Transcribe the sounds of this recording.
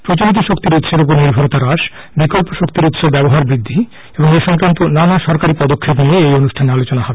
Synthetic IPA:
pɾot͡ɕoɾit̪̬oʃokt̪iɾut̪ʃeɾop̬oɾniɾbʱoɾot̪aɾaʃ | bikolpoʃokt̪iɾut̪ʃobɛboɦaɾbɾid̪ʱːi | eboŋeʃɔŋkɾant̪onanaʃɔɾkaɾipɔd̪okʰːep̬nieejonuʃʈʰaneɾalot͡ɕonaɦɔbe

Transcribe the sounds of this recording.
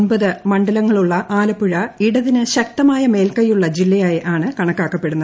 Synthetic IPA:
nbɐðɨmɐɳɖɐlɐŋːɐɭuɭːɐʔaːlɐpːuɻɐiɽɐðinɨɕɐk̚t̪ɐmaːjɐme̞ːlkɐjːuɭːɐd͡ʑilːɐjaːjiʔaːɳɨkɐɳɐkːaːkːɐpːe̞ɽunːɐð

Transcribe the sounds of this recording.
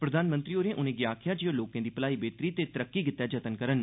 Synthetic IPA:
pɾəd̪aːnmə̃nt̪ɾiːoːɾẽːʔʊnẽːɡjaːkʰɪjaːd͡ʒijoːloːkãːd̪iːpəlaːiːbeːt̪ɾiːt̪eːt̪əɾəkːiːɡɪt̪ːjaːd͡ʒət̪ənkəɾən

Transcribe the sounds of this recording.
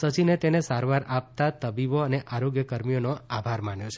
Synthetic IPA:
sət͡ʃinet̪enesaɾʋaɾap̚t̪at̪əbiboəneʔaɾoɡjəkəɾmijonoabʱaɾmaɳjot͡ʃʰe̥

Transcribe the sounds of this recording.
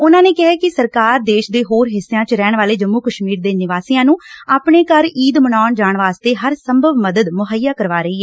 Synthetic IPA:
ʊnãːneːkɛɦɛːkɪsəɾkaːɾd̪eːʃd̪eːɦoːɾɦɪsːejãːt͡ʃɾɛːɳʋaːleːd͡ʒəmːuːkəʃmiːɾd̪eːnɪʋaːsiːjãːnũːaːpɳeːkəɾiːd̪mənaːɳd͡ʒaːɳʋaːst̪eːɦəɾsəmbʱəʋməd̪əd̪mʊɦəjːaːkəɾʋaːɾəiːɦɛː

